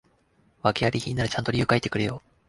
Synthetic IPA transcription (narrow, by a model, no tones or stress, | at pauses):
βakeaɾʲiçĩːnːaɾat͡ɕãnt̪o̞ɾʲɯ̟ːkait̪ːe̞kɯ̟ɾe̞jo̞ː